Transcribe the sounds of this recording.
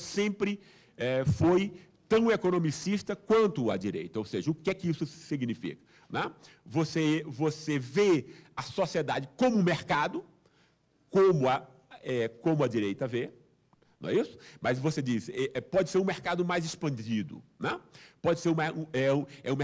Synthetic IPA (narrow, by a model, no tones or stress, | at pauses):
sẽmpɾɪ | ɛfoj | t̪ɐ̃w̃ekonõmisiʃt̪ɐkwɐ̃nt̪ʊɐ̰d͡ʒiɾḛjt̪ɐowseʒɐʊkɪɛkɪisʊsiɡnifḭkɐ̥ | nɛ̃ | vosevoseveɐsosied̪ad͡ʒɪkõmʊũmeɾkad̪ʊ | kõmʊɐ | ɛkõmʊɐd͡ʒiɾejt̪ɐveɾ | nɐ̰̃w̃ɛisʊ̥mɐzvosed͡ʒisɪɛʔɛpɔd͡ʒɪseɾũmeɾkad̪ʊmajzɪspɐ̃d͡ʒid̪ʊ̰nɛpɔd͡ʒɪseɾũmaũɛũɛũm